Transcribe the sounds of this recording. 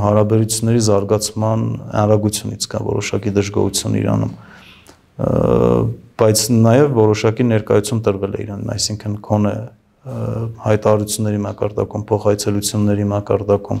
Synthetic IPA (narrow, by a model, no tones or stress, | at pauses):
ɦɑɾɑbɛɾut͡sʰjunːɛɾizɑɾɡɑt͡sʰmɑnɑ̰nɾɑɡut͡sʰjunit͡sʰkɑ̰vɔ̰ɾɔ̰ʃɑkid̪əʒɡɔ̰hut͡sʰjunḭɾɑ̰nṵm | b̥ɑjt͡sʰnɑjɛvːɔɾɔʃɑkinɛɾkɑjut͡sʰjunt̪əɾvɛlɛ̰ḭɾɑniɑ̰jsiŋkʰənɡʰɔnɛ | hɑjt̪ɑɑɾut͡sʰjunːɛɾimɑkɑɾd̪ɑ̰kumpʰɔχɑjt͡sʰɛlut͡sʰjunːɛɾimɑkɑɾd̪ɑkum